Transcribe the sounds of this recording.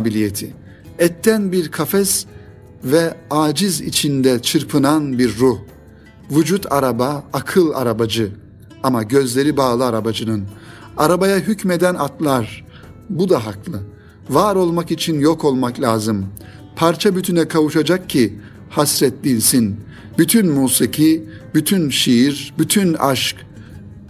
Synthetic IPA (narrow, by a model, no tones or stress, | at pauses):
bilʲijet̪ʰi | ɛt̪ʰːænbiɾkʰafɛs | vɛaːd͡ʒizḭt͡ʃʰind̪ɛt͡ʃʰɯɾpʰɯnanbiɾːuh | vud͡ʒut̪ʰaɾabaːkʰɯlˠa̰ɾabad͡ʒɯ | amaɟø̞zlʲe̞ɾibaːlˠɯaɾabad͡ʒɯnɯn | aɾabajaɦycmed̪ænat̪lˠaɾ | bud̪aɦaklˠɯ | vaːɾo̞lˠmakit͡ʃʰinjokʰo̞lˠmaklʲaːzɯm | pʰaɾt͡ʃʰabyt̪ʰynɛkʰavuʃad͡ʒak̚cʰːi | hasɾɛt̪lʲinsin | byt̪ʰynmuːsicʰi | byt̪ʰynʃijiɾbyt̪ʰyna̰ʃk